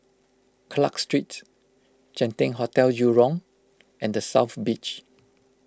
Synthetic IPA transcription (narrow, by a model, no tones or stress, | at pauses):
kʰla̰kstɹit | t͡ʃɛ̃ntɪ̃ŋɦɔtɛljuɹɔ̃ŋ | ʔɛ̃ndəsaʊfbit͡ʃ